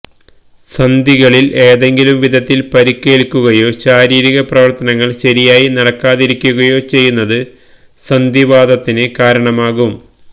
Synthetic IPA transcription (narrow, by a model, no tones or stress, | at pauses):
sɐnd̪ʱiɣɐɭile̞ːðe̞ŋɡilumʋid̪ʱɐt̪ːilpɐɾikːe̞ːɭkːuɣɐjo̞ːɕaːɾiːɾiɣɐprɐʋɐrt̪ɐnɐŋːɐɭɕɐɾijaːjinɐɽɐkːaːðiɾikʲːuɣɐjo̞ːt͡ɕe̞jːunːɐðɨ | sɐnd̪ʱiʋaːd̪ɐt̪ːinekaːɾɐɳɐmaːɣum